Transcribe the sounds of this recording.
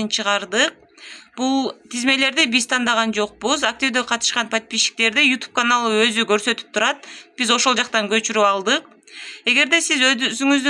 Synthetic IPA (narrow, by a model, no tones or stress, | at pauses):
int͡ʃʰɯʁɑɾd̪ɯq̚ | b̥ulˠt̪ʰizme̞le̞ɾd̪ibizt̪ʰɑnd̪ɑʁɑnd͡ʒo̞q̚buzak̚t̪ʲivd̪eqʰɑt̪ɯ̥ʃqɑnpʰat̪̚piʃi̥k̚t̪e̞ɾd̪ijut̪u̥p̚kanalˠɯø̞zyɡø̞ɾsø̞t̪y̥p̚t̪ʰuɾɑt̪̚b̥izo̞ʃo̞lˠd͡ʒɑq̚t̪ɑŋɡø̞t͡ʃyɾyɑlˠd̪ɯq | e̞ɡe̞ɾd̪e̞sizøzyŋyzd̪y